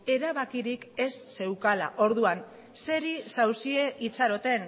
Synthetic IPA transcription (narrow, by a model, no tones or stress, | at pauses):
e̞ɾaβakiɾike̞sːe̞wkala̰ʔo̞ɾðuan | se̞ɾisawsieʔit͡saɾo̞t̪e̞n